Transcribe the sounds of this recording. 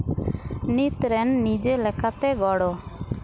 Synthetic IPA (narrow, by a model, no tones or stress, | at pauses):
nit̪ɾɛnːid͡ʒelɛkʰat̪eɡɔɽo